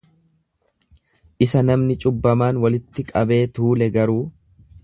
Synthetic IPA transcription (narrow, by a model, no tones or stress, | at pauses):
ʔɪsɐnɐmnɪt͡ʃʼʊbːɐmaːnwɐlɪt̪ːɪkʼɐbe̞ːt̪uːlɛɡɐɾuː